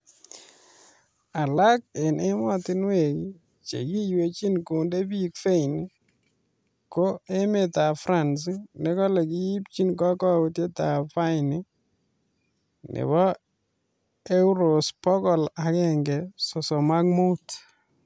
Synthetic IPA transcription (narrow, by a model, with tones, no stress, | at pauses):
a˨la˦k̚ɪ˨ne˦mɔ˦tɪ˦nwe˨ki˦ | t͡ʃḛ˨ɡi˦jwe˨t͡ʃi˦nko˨nde˦bi˦kfe˦jni˦ | ko˦e˦me˦ta˨fɾa˦˨ns̬nɪ˦kɔ˦le˨ɡi˦ji˦p̚t͡ʃi˦nk̬ɔ˦kɔ˦u˦te˦ta˨fa˦jnɪ˦ | nɪ̰˨bɔ˦ | e˦wɾo˨spɔ˦kɔ˨la˨kɛ˦˨ŋɡɛ˨so˨sɔ˨ma˦k̚mu˦t